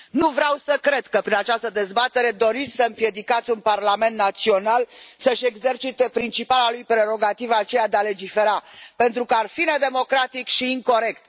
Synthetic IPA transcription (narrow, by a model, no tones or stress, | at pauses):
nuvɾeawsəkɾe̞d̪kəpɾinat͡ʃast̪əd̪e̞zbat̪e̞ɾe̞d̪o̞ɾit̪sʲsəɨmpje̞d̪ikat̪sʲunparlame̞nt̪nat̪sio̞nalsəʃe̞ɡze̞rt͡ʃit̪e̞pɾint͡ʃipalalujpɾe̞ɾo̞ɡat̪ivat͡ʃe̞jad̪eale̞d͡ʒife̞ɾape̞nt̪ɾukəarfine̞d̪e̞mo̞kɾat̪ikʃiːŋko̞ɾe̞kt̪